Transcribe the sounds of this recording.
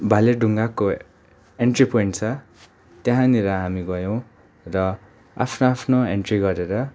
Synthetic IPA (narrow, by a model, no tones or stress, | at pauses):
bʱaleɖʱuŋɡako | eɳʈripojɳʈt͡sʰʌ | t̪jeɦãneɾʌɦamiɡʌjõw̃ | rʌ | a̰pʰnoapʰnoeɳʈriɡʌɾeɾʌ